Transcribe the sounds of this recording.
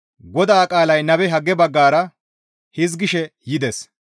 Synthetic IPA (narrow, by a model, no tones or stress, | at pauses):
ɡɔd̪aːkʼaːlɐjnɐbɛɦɐɡːɛbɐɡːaːɾɐ | hɪzɡɪʃɛjɪd̪ɛs